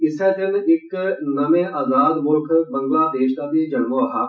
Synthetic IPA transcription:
ɪset̪ɪnɪknɐmẽʔaːzaːd̪moːʈʰbɐ̃ŋɡlaːd̪eːʃt̪at̪id͡ʒɐnʋoɦaː

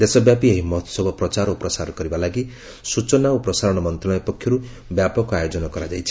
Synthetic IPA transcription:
d̪esɔbjapieɦimɔt̪ʰsɔbʱɔpɾɔt͡ʃaɾɔpɾɔsaɾɔkɔɾibalaɡi | sut͡ʃɔnaupɾɔsaɾɔɽ̃ɔmɔnt̪ɾɔlɔjɔpɔkʰːjɔɾu | bjapɔkɔajod͡ʒɔnɔkɔɾad͡ʒajt͡ʃʰi̥

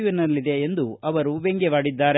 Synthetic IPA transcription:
ʋinɐlːid̪e̞ːnd̪uɐʋɐɾuʋeŋɡɛʋaːɽid̪ːaːɾe

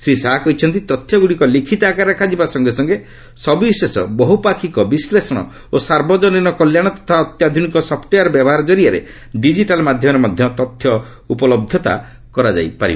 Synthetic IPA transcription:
sesaɦakɔɦit͡ʃʰɔnt̪it̪ɔt̪ʰːjɔɡuɽikɔlikʰit̪akaɾakʰad͡ʒibasɔŋɡesɔŋɡe | sɔbisesɔbɔɦupakʰikɔbislesɔɽ̃ɔ̰ | osaɾbɔd͡ʒɔninɔkɔljaɽ̃ɔt̪ɔ̥t̪ʰaɔt̪jad̪ʱunikɔsɔpʰʈejaɾbjabɔɦaɾɔd͡ʒɔɾiaɾḛ | ɖid͡ʒiʈalmad̪ʱjɔmɔɾemad̪ʱjɔt̪ɔt̪ʰjɔ | upɔlɔb̚d̪ʱɔt̪a̰ | kɔɾad͡ʒa̰jpa̰ɾḭba

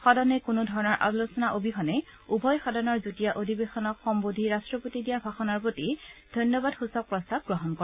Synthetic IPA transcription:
xɔdɔnɛkunʊdʱɔɹɔnɔɹʔa̰losɔnaʔobʱixɔnɛ | ubʱɔjxɔdɔnɔɹzutijaʔodʱibexɔnɔkxɔmbodʱiɹastɹɔpotidijabʱaxɔnɔɹpotid̥ʱɔjnjɔbadxusɔk̚pɹɔstab̚ɡɹɔɦɔnkɔ

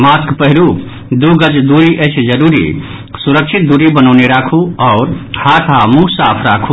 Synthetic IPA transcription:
maskpəɦɾu | d̪uɡəd͡ʒd̪uɾiʔət͡ʃʰd͡ʒəɾuɾḭ | suɾəkt͡ʃʰit̪̚d̪uɾibənəʊneɾakʰuɔːɾhat̪ʰamusaːpʰɾakʰu

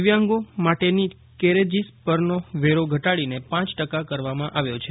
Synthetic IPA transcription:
ʋjaŋɡomaʈeni | keɾed͡ʒispəɾnoʋeɾoɡʱəʈaɭinepãt͡ʃʈəkakəɾʋamãʔaʋjot͡ʃʰe

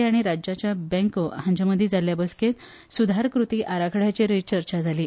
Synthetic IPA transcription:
aɽ̃iɾad͡ʑat͡ɕjabɛ̃ŋkəhãɲd͡ʑaməd̪ʱːjid͡zaljabəsket̪ | sud̪ʱaɾkɾut̪iːʔaɾakʰɽ̤jat͡ɕeɾəjt͡ɕəɾt͡ɕad͡zʱaliː

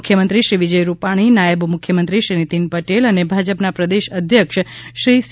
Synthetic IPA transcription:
kʰjəmənt̪ɾiʃɾiʋid͡ʒəjɾupaɽ̃inajəbmʊkʰːjəmənt̪ɾiʃɾinit̪inpəʈelənebʱad͡ʒəpnapɾəd̪eʃəd̪ʱjəkʃʃɾis

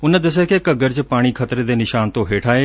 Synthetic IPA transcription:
ʊnəd̪ɐs̬ekekəɡəɾd͡ʑpaːɽ̃ikʰɐt̪ɾed̪eːnɪʃaːnt̪oɦeːʈʰaːeː

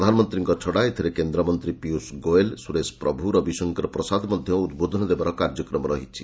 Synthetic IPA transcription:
d̪ʱanɔmɔnt̪ɾiŋkɔt͡ʃʰɔɽaet̪ʰiɾekend̪ɾɔmɔnt̪ɾipiusɡoelsuɾespɾɔbʱuɾɔbisɔŋkɔɾɔpɾɔsad̪mɔd̪ʱjɔud̪bod̪ʱɔnɔd̪ebaɾɔkaɾd͡ʒɔkɾɔmɔɾɔɦit͡ʃʰi

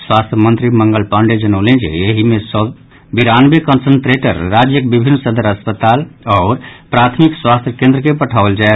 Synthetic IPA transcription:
swast̪ʰjəmənt̪ɾiməŋɡəlpəɳɖed͡ʒənəʊlẽd͡ʒḛeɦimesə | biɾanbekənsənt̪ɾeʈə̰ɾːad͡ʒjəkbibʱinːsəd̪əɾəspət̪alɔːɾpɾat̪ʰmikswast̪ʰjəkẽnd̪ɾəkepəʈʰaʋəld͡ʒae

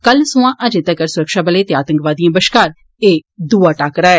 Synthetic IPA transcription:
kəlsʊ̃ãːʔəd͡ʒet̪akəɾsʊɾəkʃaːbəleːt̪eaːt̪ə̃ŋkʋaːd̪ijãːbəʃkaːɾ | eːd̪uːaːʈaːkɾaːɛː

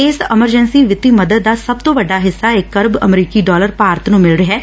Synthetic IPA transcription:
ɪsɪməɾd͡ʒənsiːʋɪt̪iːməd̪əd̪ːaːsəb̚t̪õːʋəɖaːɦɪsːaːɪkːəɾbə̰mɾiːkiːɖɔːləɾpaːɾt̪nũːmɪlɾəɦɛː

